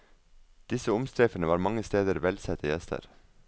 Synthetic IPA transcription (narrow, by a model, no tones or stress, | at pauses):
d̪̥ɪsəʊmst̪ɾeːfənəʋɑːɾmɑŋːəst̪eːd̪əɾʋɛlsɛt̪ʰəjɛst̪ʰə̰ɾ